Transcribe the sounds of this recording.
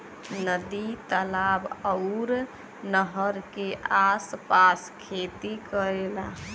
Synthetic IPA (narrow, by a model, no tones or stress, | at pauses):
nəd̪it̪əlabɔʊɾ | nəɦəɾkeʔaspaskʰet̪ikəɾela